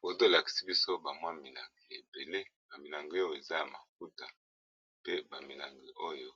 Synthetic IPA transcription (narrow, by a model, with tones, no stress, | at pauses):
bo˨˦to˦la˨ki̥˨si˦bi˦so˦ba˨mwa˦mi˨la̰˨ŋɡe˨e˨be˨le˦ba˨mi˨la˨ŋɡo˦jo˦˨e˨za˦ja˨ma˨k̚u˦ta˨ | pe˦ba˨mi˨la˨ŋɡi˨ʔo˦jo˦